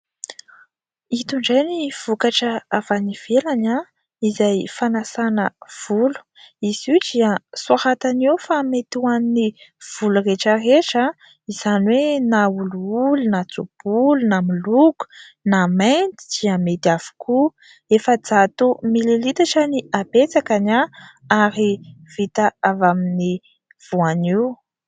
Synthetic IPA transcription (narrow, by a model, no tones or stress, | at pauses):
it̪uɳɖ͡ʐajniv̥ukaʈ͡ʂəavaniv̥elaɲa | izajfanasanəv̥ulu̥ | iz̥id͡ziəsuahat̪anewfamet̪uaniniv̥ulureʈ͡ʂəreʈ͡ʂa | iz̥aniwenauluulunat͡sub̥ulunamuluku̥ | namejnt̪i̥d̪̥iamet̪av̥u̥ku | efəd͡zat̪umilelit̪aʈ͡ʂaniabet͡sakana | aɾiv̥it̪aavamini | v̥uaniw